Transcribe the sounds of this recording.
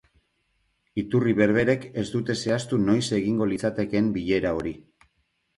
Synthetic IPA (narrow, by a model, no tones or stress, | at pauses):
it̪uriβe̞ɾβe̞ɾe̞ke̞zd̪ut̪e̞se̞ast̪uno̞jse̞ɣiŋɡo̞lit͡sat̪e̞ke̞mbiʎe̞ɾao̞ɾi